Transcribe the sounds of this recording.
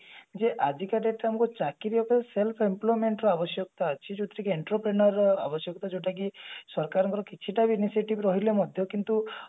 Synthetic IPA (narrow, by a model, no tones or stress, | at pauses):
d͡ʒeʔad̪ikaɖeʈamɔkut͡ʃakiɾibɔkɔeselpʰimplojmeɳʈɾɔabɔsjɔkɔt̪aət͡ʃʰid͡ʒoʈ̪ɾikieɳʈɾɔpɾenɔɾːɔabɔsjɔkɔt̪ad͡ʒoʈakisɔɾkaɾɔŋkɔɾɔkit͡ʃʰiʈabiːnisieʈibɾɔɦilemɔd̪ʱjɔkint̪u